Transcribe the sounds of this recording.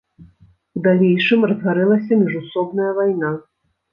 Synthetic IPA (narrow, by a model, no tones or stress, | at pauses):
ud̪alʲejʂɨmrɐzɣaɾɛlˠɐsʲɐmʲiʐusɔbnɐjɐvajna